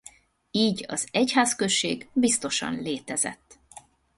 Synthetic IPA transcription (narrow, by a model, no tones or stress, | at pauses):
iːɟɒ̰zɛchaːskøʃːeːɡbist̪o̞ʃɒ̰nleːt̪ɛzɛ̰t̪ː